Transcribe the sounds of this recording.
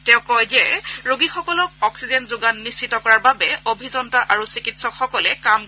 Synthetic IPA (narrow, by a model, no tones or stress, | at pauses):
tɛ̃ʊ̃kɔjzɛɹoɡixɔkɔlɔk̚ɔksizɛnzoɡanːisːitɔkɔɹaɹbabɛobʱizɔntaʔaɹusikitsɔkxɔkɔlɛkam